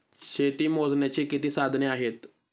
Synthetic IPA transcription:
ʃeːt̪imoːznet͡ɕikɪt̪isaːd̪ʱneaːɦeːt̪

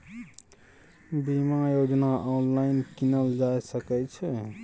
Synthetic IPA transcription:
bimãjod͡zʌnaʔɔwnlajnkinʌld͡ʒajsʌket͡ʃʰʌ

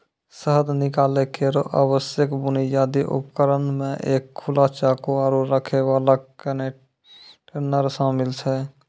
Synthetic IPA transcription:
səɦəd̪nɪkaːlekeɾoʔa̰bəsjəkbʊnijaːd̪iʔṵpkəɾənmẽʔeːkʰːulat͡ʃakoaɾoɾəkʰeʋaːlakəne | ʈenəɾsamɪlt͡ʃʰɛ

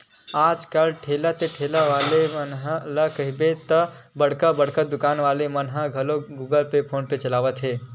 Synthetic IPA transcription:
aːd͡ʒkəlʈʰeːlat̪eʈʰeːlaʋaːlemənɦlakɐɦɪbet̪ə | bɐɽ̤kabɐɽkəd̪ʊkaːnʋaːlemɐnɦəɡʱɐloɡuːɡəlpepʰoːnpet͡ʃɐlaːʋət̪ɦɛː

